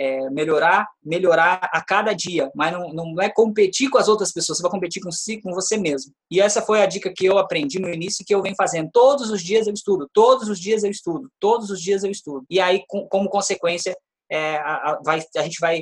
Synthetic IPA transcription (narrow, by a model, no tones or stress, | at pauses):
ɛmeʎoɾameʎoɾaakad̪ɐd͡ʒiɐmɐznɐ̃w̃nɐ̃w̃ɛjkõmpet͡ʃikõɐzowt̪ɾɐspesoɐs̬evajkõpet͡ʃiɾkõsikõvosemezmʊ | ɪɛsɐfojɐd͡ʒikɐkɪewapɾẽnd͡ʒinʊinisjʊɪkɪewvẽɲʊfazẽnd̪ʊt̪od̪ʊzʊzd͡ʒiɐzewist̪ud̪ʊt̪od̪ʊzʊzd͡ʒiɐzewist̪ud̪ʊt̪od̪ʊzʊzd͡ʒiɐzewist̪ud̪ʊɪaikõkõmʊkõsekwẽsjɐ | ɛavajaʒẽnt͡ʃɪvaj